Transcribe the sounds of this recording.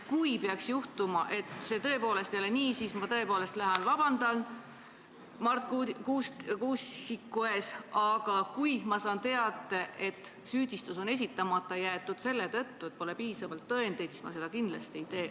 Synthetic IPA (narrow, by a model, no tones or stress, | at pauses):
kujpeɑksjuht̪umɑʔe̞t̪se̞t̪ɤ̞epo̞ːle̞st̪joleniːsismɑt̪ɤ̞e̞po̞ːle̞st̪læɦɑnvɑbɑnd̪̥ɑl | mɑrt̪kukuːskuːssikːueːsʔɑɡ̥ɑkujmɑsɑːnt̪e̞ɑd̪ˑeʔe̞t̪ː | syːd̪̥ʲist̪uso̞ne̞s̬ʲit̪ːˑɑmɑt̪ːˑɑjæːt̪ːˑud̪̥se̞lːe̞t̪ɤt̪ːue̞t̪̚po̞le̞piːsɑvɑlt̪ːɤ̞e̞nd̪e̞jt̪si̥smɑ̰se̞d̪̥ɑkind̪̥lɑst̪ieit̪e̞ː